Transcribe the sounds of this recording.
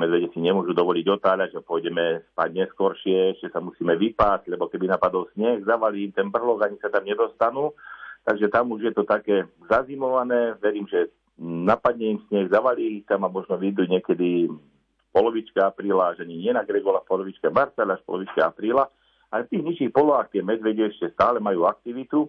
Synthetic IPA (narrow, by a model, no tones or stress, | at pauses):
mɛd͡z̪ʋɛɟɛsiɲɛmʊɔʒud̪ɔʋɔliɟɔt̪aːʎaʒɛpʊɔjɟɛmɛspa̰ːɟ̚ɲɛskɔɾʃɪɛɛʃcɛsamusiːmɛʋipaːzʎɛbɔkɛbinapad̪ɔlsɲɛɣzaʋaliimt̪ɛnbr̩ɦlɔɡaɲisat̪amɲɛd̪ɔst̪anuːt̪aɡʒɛt̪amuʒjɛt̪ɔt̪akɛːzazimɔʋanɛːʋɛɾiːmʒɛ | napad̪ɲɛimsɲɛɣzaʋaliixt̪amamɔʒnɔʋid̪uɲɪɛkɛd̪i | fpɔlɔʋit͡ʃkɛapɾiːlaaʒaɲiɲɪɛnaɡɾɛɡɔlafpɔlɔʋit͡ʃkɛmaɾt͡salaʃpɔ̰lɔʋit͡ʃkɛapɾiːla | alɛft̪iːɣɲiʃixpɔlɔʋaːxt̪ɪɛmɛd̪ʋɛɟɛɛʃcɛst̪aːlɛmajuːak̚t̪iʋit̪u